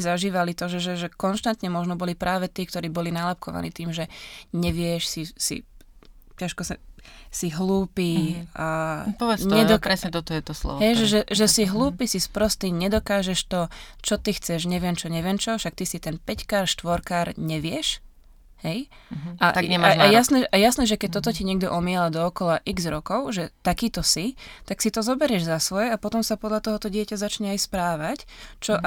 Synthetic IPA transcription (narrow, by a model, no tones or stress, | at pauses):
izaʒiːʋalit̪ɔʒɛʒɛʒɛkɔnʃt̪ant̪ɲɛmɔʒnɔbɔlipɾaːʋɛt̪iːk̚t̪ɔɾiːbɔlinalap̚kɔʋa̰nḭːt̪iːmʒɛɲɛʋɪɛʃsisḭ | caʃkɔsasiɦluːpiː | pɔʋɛɲɛd̪ɔkɾɛsɲɛt̪ɔt̪ɔjɛt̪ɔslɔ̰ʋɦɛjʒɛʒɛʒɛsiɦluːpisispɾɔst̪iɲɛd̪ɔkaːʒɛʃt̪ɔt͡ʃɔt̪ixt͡sɛʒɲɛʋɪɛmt͡ʃɔɲɛʋɪɛmt͡ʃɔfʃak̚t̪isit̪ɛnpɛckaːɾʃt̪ʋɔɾkaːɾɲɛʋɪɛʃ | hɛjʔat̪aɡɲɛmaaajasnɛːajasnɛːʒɛkɛc̚t̪ɔt̪ɔciɲɪɛɡ̚d̪ɔʔɔmɪɛlad̪ɔɔkɔlaʔiɡzɾɔkɔʊʒɛt̪akiːt̪ɔsit̪aksit̪ɔzɔbɛɾjɛʒzasʋɔjɛapɔt̪ɔmsapɔd̪ʎat̪ɔɦɔt̪ɔɟɪɛcazat͡ʃɲɛajspɾaːʋact͡ʃɔ